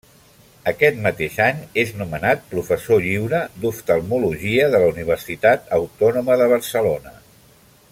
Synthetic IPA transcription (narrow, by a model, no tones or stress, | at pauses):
əkɛt̪mət̪eʃaɲeznumənat̪̚pɾufəsoʎiwɾəd̪uft̪əlˠmuluʒiəðələuniβ̞ərsit̪at̪əwt̪ɔnuməðəβ̞əɾsəlonə